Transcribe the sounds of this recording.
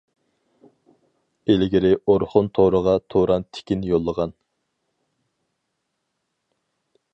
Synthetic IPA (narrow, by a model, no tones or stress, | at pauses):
elɪɡʲiɾɪʔoɾχʊnt̪ʰoɾəʁɑt̪ʰoɾɑnt̪ʰe̥kʲinjolˠːəʁɑn